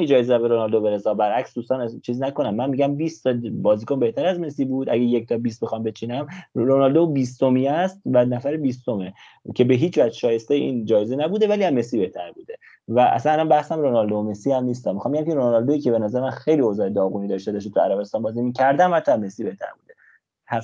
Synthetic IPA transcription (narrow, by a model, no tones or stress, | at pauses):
mid͡ʒɒːjezeæbeɾonɒld̪obe̞ɾesɒːbæɾʔæksd̪uːst̪ɒːnt͡ʃʰiːzinæko̞næmːænmiɟæmbiːst̪ʰbɒːziːkonbe̞ht̪ʰæɾæzme̞siːbuːd̪ʔæɟejec̚t̪ʰɒbiːs̚bexɒmbe̞t͡ʃʰiːnæmɾonɒld̪obiːst̪omiæst̪vænæfæɾebiːst̪o̞me | cʰebe̞ɦiːt͡ʃvæʃɒːje̞st̪ejʔḭːnd͡ʒɒːjezenæbuːd̪e̞væliːæzmesibe̞ht̪ʰæɾbuːd̪e̞ | væʔæ̰sænælænbæhsæmɾonɒld̪ome̞siːhæmnist̪æmːixɑmbeɟæmceɾonɒld̪o̞iːcʰebe̞næzæɾemænxe̞jliozɒːed̪ɒːɣuniːd̪ɒʃt̪ed̪ɒʃ̬t̪e̥t̪ʰuæɾæbe̞st̪ɒːnbɒːzimiːcʰæɾd̪æmhæt̪ʰːɒmesiːbe̞ht̪ʰæ̰ɾbuːd̪e | hæ